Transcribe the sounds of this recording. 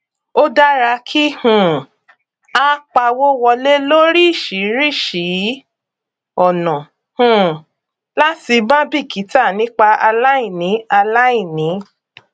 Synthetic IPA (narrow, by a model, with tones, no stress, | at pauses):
o˦da˦ɾa˧kʰi˦hũ˨ | a˦k͡pa˧wo˦wɔ˧le˦lo˦ɾi˦˨ʃi˨˦ɾi˦˨ʃi˨˦ | ɔ˨nɔ̃˨ | hũ˨ | la˦ti˧bã˦bi˦˨ki˨˦ta˦˨nĩ˦k͡pa˧a˧la˦i˦˨nĩ˨˦a˧la˦i˦˨nĩ˨˦